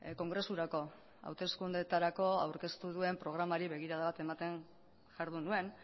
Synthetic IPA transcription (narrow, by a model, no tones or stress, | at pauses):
ko̞ŋɡɾe̞suɾako̞ | a̰wt̪e̞skund̪e̞t̪aɾako̞awɾke̞st̪uðue̞mpɾo̞ɣ̞ɾamaɾiβe̞ɣ̞iɾaðaβat̪e̞mat̪e̞n | ʝaɾðunue̞n